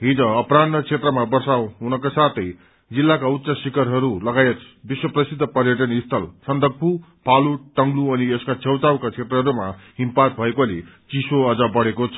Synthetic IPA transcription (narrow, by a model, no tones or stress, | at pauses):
ɦid͡zʌʌpranːʌt͡sʰet̪rʌmabʌrsawɦunʌkasat̪ʰʌj | d͡zilːakaut̪ːsasikʌɾɦʌɾulʌɡajet̪ | biswʌprʌsid̪ʱːʌpʌɾjʌʈʌnist̪ʰʌlsʌnd̪ʱʌk̚pʰu | paluʈʌŋɡluʌnieskat͡sʰewt͡sawkat͡sʰet̪rʌɦʌɾumaɦimpat̪̚bʱʌekolet͡sisoʌd͡zʌbʌɽekot͡sʰʌ̥